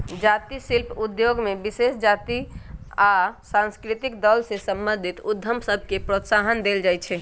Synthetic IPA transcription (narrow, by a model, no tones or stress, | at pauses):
d͡ʒat̪isilpʰud̪joɡmebisesd͡ʒat̪iasãnskɾit̪ikd̪əlsesəmbə̃nd̪ʱit̪ud̪ʱːəmsəb̚ʱkepɾot̪saɦənd̪eld͡ʒajt̪t͡ʃʰɛ